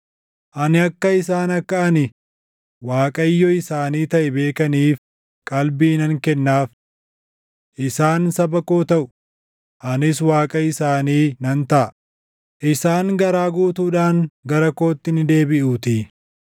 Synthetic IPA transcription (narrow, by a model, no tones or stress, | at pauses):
ʔɐnɪɐkːɐɪs̬aːnɐkːɐʔɐnɪ | waːkʼɐjːɔɪsaːniːt̪ɐʔɛbe̞ːkɐniːf | kʼɐlbiːnɐŋkɛnːaːf | ʔɪsaːnsɐbɐkoːt̪ɐʔʊ | ʔɐnɪs̬waːkʼɐɪsaːniːnɐnt̪ɐʔɐ | ʔɪsaːŋɡɐɾaːɡuːt̪uːᶑaːŋɡɐɾɐko̞ːt̪ːɪnɪd̪e̞ːbɪʔuːt̪i